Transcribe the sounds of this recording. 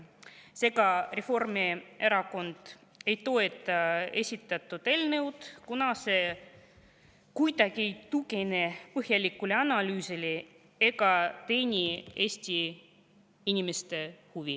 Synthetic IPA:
se̞ɡɑre̞fo̞rmieɾɑko̞nd̪̥ | e̞jt̪o̞et̪ːˑɑe̞sʲit̪ːˑɑt̪ːˑut̪e̞lnɤwd̪kunɑse̞ | kujd̪ɑɡie̞jt̪uɡenepɤhjɑlʲikːˑuleɑnɑlyːseli | e̞ɡɑt̪e̞jnʲie̞ːsʲt̪ʲi | inʲimest̪e̞huvi

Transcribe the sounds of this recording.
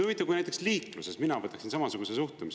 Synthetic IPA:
uvit̪ːˑɑkujnæjt̪̬ːˑeksliːkluse̞sminɑvɤt̪ːˑɑksinsɑmɑsuɡ̥use̞suht̪umis

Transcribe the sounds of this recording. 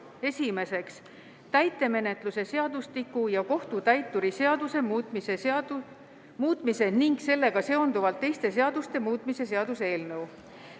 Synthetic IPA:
e̞sʲime̞se̞ks | t̪æjt̪ːˑe̞me̞ne̞t̪ˑluse̞se̞ɑd̪ust̪ikːˑujɑko̞ht̪ut̪æjt̪ːuɾiseɑd̪use̞mmise | muːt̪ˑmise̞niŋɡse̞lːe̞ɡ̥ɑse̞o̞nd̪uvɑlt̪ːe̞jst̪e̞s̬e̞ɑd̪ust̪e̞muːt̪ːˑmise̞se̞ɑd̪̥usee̞ːlnɤw

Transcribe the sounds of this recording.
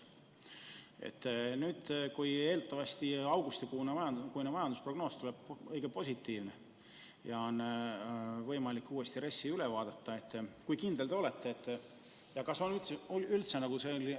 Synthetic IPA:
ḛt̪ːˑnyːd̪̥kuje̞ːlt̪ːɑvɑst̪iɑwɡ̥ust̪ikuːneɑjɑkujnemɑjɑnd̪uspro̞ɡ̥no̞ːst̪uleb̥ɤjɡ̥epo̞sʲit̪ːˑiːvne | jɑo̞nː | vɤjmɑlikːuːe̞st̪iɾe̞sːiylevɑːd̪̥ɑt̪ːɑe̞t̪ːˑkujkind̪̥e̞le̞o̞le̞t̪ˑːe̞ːt̪ːˑ | jɑkɑso̞nyt̪seylt̪se̞nɑkuseol

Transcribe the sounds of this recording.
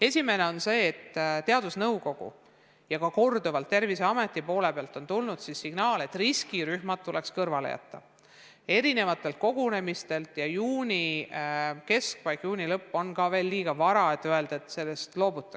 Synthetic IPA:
e̞sʲime̞ne̞o̞nse̞ːt̪ːt̪e̞ɑd̪̥usnɤwko̞ɡ̥ṵ | jɑkɑko̞rd̪uvɑlt̪ːe̞rvise̞ɑme̞t̪ːˑipo̞ːle̞peɑlt̪ˑo̞nt̪ulnud̪̥sisːiɡ̥nɑːle̞t̪ˑriskiɾyhmɑt̪̚t̪ːule̞kskɤrvɑlḛjɑ̰t̪ːˑɑ̰ | e̞ɾine̞vɑt̪ːˑe̞lt̪̚ko̞ɡ̥une̞mist̪e̞lt̪jɑjuːnʲi | ke̞skvɑjkjuːnʲilɤpːo̞nkɑve̞ːlːiːɡ̥ɑvɑɾɑe̞t̪ːˑøe̞ld̪̥ɑet̪se̞lːest̪lo̞ːbut̪ˑːɑ

